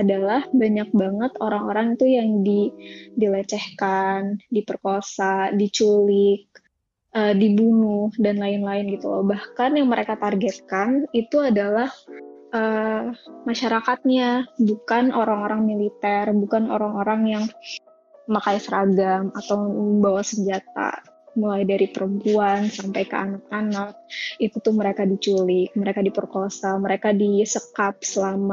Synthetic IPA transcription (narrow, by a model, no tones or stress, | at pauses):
adalahbaɲak̚baŋət̪oɾaŋoɾaŋit̪ujaŋdidilət͡ʃɛhkandipərkosadit͡ʃulɪk̚ | ʔədibunʊhdanlaɪnlaɪnɡit̪ubahkanjaŋməɾekat̪arɡɛt̪̚kanit̪uadalahʔə | maʃaɾakat̪̚ɲabukanʔoɾaŋoɾaŋmilit̪ɛrbukano̰ɾaŋoɾaŋjaŋ | makajsəɾaɡamat̪awməmbawasəɲd͡ʒat̪̚a̰mulajdaɾipəɾəmpuansampajkə̰anakanak̚it̪ut̪ʊhməɾekadit͡ʃulɪk̚məɾekadipərkosaməɾekadisəkap̚səlama